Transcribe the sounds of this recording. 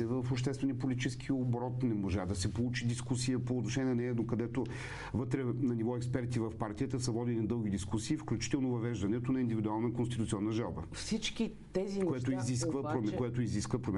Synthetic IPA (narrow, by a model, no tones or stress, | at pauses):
ɛvəfoʃ̬t̪ɛst̪vɛniəpolʲit̪it͡ʃɛskʰiobɾɔt̪nɛmoʒad̪ɐsɛpolˠut͡ʃid̪iskusijəpoːt̪noʃɛnʲɛɛnɛɛd̪okɐd̪ɛt̪o | vɤt̪ɾɛnɐnivɔɛkspɛɾt̪ivɐfpaɾt̪ijət̪əsəvɔd̪ininɐd̪ɤlˠɡ̟id̪iskusiːfklʲut͡ʃi̥t̪ɛlˠnovɐvɛʒd̪ɐnɛt̪onɐind̪ivid̪ualˠnəkonst̪it̪ut̪siɔnːəʒalˠbə̰fsit͡ʃki | t̪ɛzikkoɛt̪oiziskvəpɾomɛkojɛt̪oiziskvəpɾomɛ